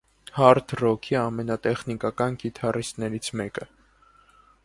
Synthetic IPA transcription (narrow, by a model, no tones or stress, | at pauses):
hɑɾt̪ʰrɔkʰiɑmɛnɑt̪ɛχnikɑkɑnɡit̪ʰɑrist̪nɛɾit͡sʰmɛkə